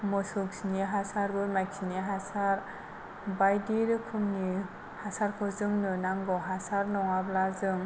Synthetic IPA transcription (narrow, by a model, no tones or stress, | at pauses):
mɔsɔksiniɦasaɾbɯmajk̚siniɦasaɾ | bajdiɾɯkʰɯmni | hasaɾkʰɔzɯŋnɯnaŋbɔɦasaɾnɔŋablazɯŋ